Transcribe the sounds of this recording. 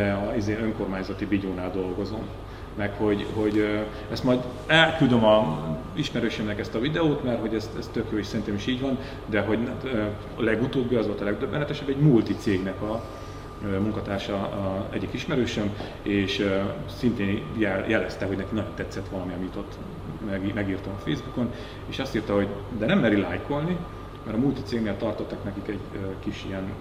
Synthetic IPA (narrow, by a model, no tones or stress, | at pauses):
ɛɒizeːnøŋko̞rmaːɲzɒt̪ibiɟoːnaːld̪o̞lɡo̞zo̞m | mɛkho̞ɟɦo̞ɟ | ɛst̪mɒjd̪ | ɛlkyld̪ømɒ | iʃmɛɾøːʃømnɛkɛst̪ɒvid̪ɛoːt̪mɛrɦo̞ɟɛst̪ɛst̪ø̞kjoːeːʃsɛɾint̪eːmiʃiːɟvɒn | d̪ɛɦo̞ɟt̪ø | lɛɡut̪oːbːiɒzʋo̞lt̪ɒlɛɡd̪øbːɛnɛt̪ɛʃɛbːɛɟmult̪it̪seːɡnɛkɒ | ømuŋkɒt̪aːrʃɒɛ̰ɟikiʃmɛɾøːʃøm | eːʃøsint̪eːnjɛljɛlɛst̪ɛɦo̞ɟnɛkinɒjont̪ɛt̪sːɛt̪ʋɒlɒmiɛmjit̪ot̪ː | mɛɡimɛɡiːrt̪omɒfeːzbuko̞n | eːʃɒst̪iːrt̪ɒɦo̞ɟd̪ɛnɛmːɛɾilaːjko̞lni | mɛɾɒmult̪it̪seːɡneːlt̪ɒrt̪o̞t̪ːɒknɛkikɛɟøkiʃijɛn